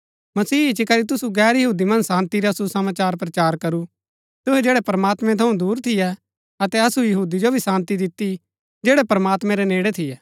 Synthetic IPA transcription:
mɐsiːt͡ʃikɐɾit̪ʊsuɡɛːɾjɐɦuːd̪imɐ̃nsãːnt̪iɾasusɐmaːt͡ʃaːɾpɾɐt͡ʃaːɾkɐɾu | t̪ʊɦɛd͡ʒeːɽɛpɐɾmaːt̪mɛ̃t̪ʰɐũd̪uːɾt̪ʰɪjɛ | ɐt̪ɛɐsujɐɦuːd̪id͡ʒobʱisãːnt̪id̪ɪt̪ːi | d͡ʒeːɽɛpɐɾmaːt̪mɛ̃ɾɛneːɽɛt̪ʰɪjɛː

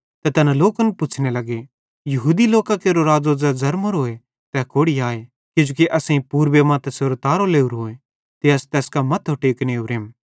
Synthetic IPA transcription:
t̪ɛt̪ɛːnãloːkənpʊt͡ʃʰnelɐɡe | jɐɦuːd̪iloːkakeːɾoɾaːd͡zoːd͡zad͡zɐɾmoɾɦoːe | t̪ɛkoːɽiaːe | kɪd͡ʒoːkiʔɐsẽĩpuːɾbemãt̪ɛseːɾot̪aːɾoleːuɾɦoːe | t̪eɐst̪ɛːskamɐt̪ʰɦoʈeːkneːuɾeːm

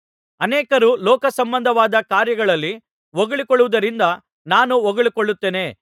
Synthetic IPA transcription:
ɐnɛːkɐɾulɔːkɐsɐmbɐnd̪ʱɐʋaːd̪ɐkaːɾjɐɡɐɭɐlːi | ʋoɡɐɭikɔɭuʋud̪ɐɾind̪ɐ | naːnuoɡɐɭikoɭːut̪ːe̞ːne̞ː

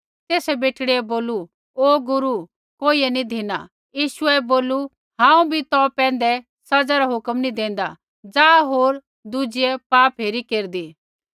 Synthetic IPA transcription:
t̪eːsɛbeːʈɽeɛboːlu | oːɡʊɾu | koːiːɛnĩd̪ʱina̰ | jiːʃʊɛboːlu | ɦãːũbʱit̪ɔpɛ̃ːn̆d̪ɛ | sɐd͡zaɾaɦʊkəmnĩd̪ẽːn̆d̪a | d͡zaːɦoːɾ | d̪ud͡ʒiɛpaːpɦeːɾikeːɾd̪iː

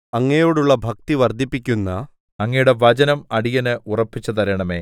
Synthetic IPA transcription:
ɐŋːɐjo̞ːɽuɭːɐbʱɐk̚t̪iʋɐrd̪ʱːipːikʲːunːɐ | ɐŋːɐjuɽe̞ʋɐd͡ʑɐnɐmɐɽijɐnɨʔurɐpːit͡ɕːɐt̪ɐɾɐɳɐme̞ː

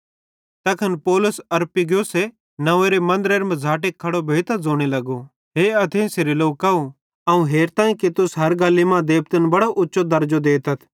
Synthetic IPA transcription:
t̪ɐkʰɐnpoːlʊsɐɾpɪɡjose | nɐʋeːɾemɐ̃nd̪əɾeːɾmɐ̃d͡zʱaːʈ̬eːkʰːɐɽobʱeːt̪ɐd͡zoːɽ̃elɐɡo | ɦeːɐt̪ʰẽseːɾeloːkːɐo | ɐːũɦeːɾt̪ãːĩket̪ʊsɦɐɾɡaːlimãd̪eːp̚t̪ənbɐɽoʔʊtːʃʰod̪ɐɾd͡ʒod̪eːt̪ɐt̪ʰ

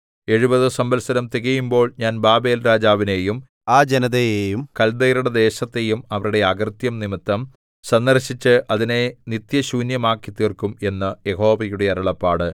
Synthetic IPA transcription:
e̞ɻubɐðɨsɐmbɐlsɐɾɐmt̪iɣɐjumbo̞ːɭɲaːnbaːbe̞ːlɾaːd͡ʑaːʋine̞jum | aːd͡ʑenɐðɐjejumkɐld̪ɐjɾuɽɐd̪e̞ːɕɐt̪ːe̞jumɐʋɐɾuɽe̞aɡrt̪jɐmnimit̪ːɐm | sɐnd̪ɐrɕit͡ɕːɨʔɐðine̞nit̪jɐɕuːnjɐmaːkːit̪ːiːrkume̞nːɐjeɦo̞ːʋɐjuɽe̞ɐɾɐɭɐpːaːɽɨ

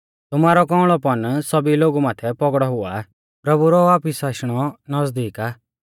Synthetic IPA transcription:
t̪ʊmaːɾɔkɔ̃ːʊ̃ɭ̃ɔpɐnsɔbiloːɡumaːt̪ʰɛpɔɡɽɔɦʊa | pɾɐbuɾɔʋaːpisaːʃɽ̃ɔnɔzd̪iːkaː

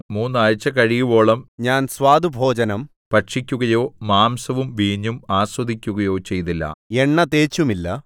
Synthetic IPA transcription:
muːnːaːɻt͡ɕːɐkɐɻijubo̞ːɭɐmɲaːnswaːd̪ubʱo̞ːd͡ʑɐnɐm | pɐʈʂikʲːuɣɐjo̞ːmaːmsɐʋumʋiːɲːumaːswɐd̪ʱikʲːuɣɐjo̞ːt͡ɕe̞jt̪ilːɐ̰eɳːɐt̪eːt͡ɕːumilːɐ

